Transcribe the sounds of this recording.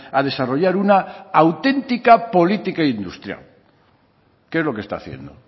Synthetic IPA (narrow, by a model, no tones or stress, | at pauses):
að̞e̞saro̞ʎaɾunaːwt̪e̞nt̪ikapo̞lit̪ikaind̪ust̪ɾja̰l | keezlo̞kest̪a̰θjḛnd̪o̰